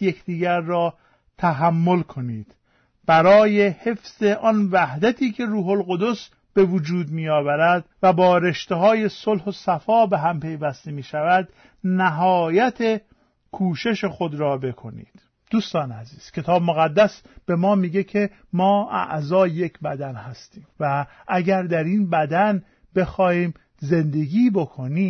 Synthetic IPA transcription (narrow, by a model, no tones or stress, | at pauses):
je̞kʰd̪iːɟæɾːɒː | t̪ʰæɦæmːo̞lkʰo̞niːd̪̥ | b̥æɾɒːjehe̞fz̥e̞ʔɒnvæhd̪æt̪ʰiːcʰe̞ɾuːɦo̞lɣo̞d̪o̞s | b̥e̞vod͡ʒuːd̪miːjɒːvæɾæd̪væbɒːɾe̞ʃt̪eɦɒːje̞solhosæfɒːbe̞ɦæmpe̞jvæst̪emiːʃævæd̪ | næɦɒːjæt̪ʰe | kʰuːʃe̞ʃe̞xo̞d̪ɾɒːbe̞kʰo̞nḭːd̪̥ | d̪̥uːst̪ɒːnæziːz̥cʰe̞t̪ʰɒːbmoɣæd̪ːæsb̥e̞mɒːmiːɟe̞cʰe̞ | mɒːæ̰ʔzɒːje̞cʰbæd̪ænhæst̪iːmvæʔæɟæɾd̪æɾinbæd̪æn | be̞xɒːhiːm | ze̞nd̪e̞ɡiːbo̞kʰo̞niː